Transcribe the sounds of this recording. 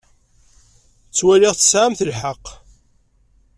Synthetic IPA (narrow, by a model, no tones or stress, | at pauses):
t͡sːwælɪʁθə̥sʕamθəlħəqː